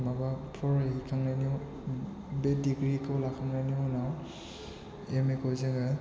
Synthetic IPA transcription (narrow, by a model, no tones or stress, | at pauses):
mabapʰɔɹikʰaŋnaniw | bɛdiɡɾikʰawlakʰaŋnaniɔnaw | emekɔzeŋa